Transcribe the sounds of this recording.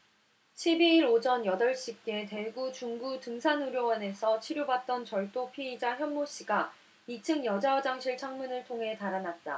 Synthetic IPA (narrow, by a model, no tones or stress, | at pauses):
t͡ɕʰibiiɾod͡ʑʌnjʌdʌɭɕ͈ik͈e̞te̞ɡut͡ɕuŋɡutɯŋsʰanuɾjowʌne̞sʰʌt͡ɕʰiɾjobat̚t͈ʌnt͡ɕʌɭt͈opʰiid͡ʑaçjʌnmoɕ͈iɡa | it͡ɕʰɯŋjʌd͡ʑaʌd͡ʑaŋɕʰiɭt͡ɕʰaŋmunɯɭtʰoŋɦe̞taɾanat̚t͈a̰